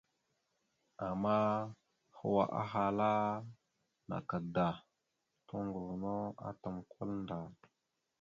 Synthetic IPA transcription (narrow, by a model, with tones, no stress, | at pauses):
a˨ma˦ | xə̰˦wa̰˨ʔa̰˦ɦa˨la˦ | na̰˨ka˨da˨ | to˦ŋɡu˨lno˦a̰˦ta˨mkʰa˦lnda˨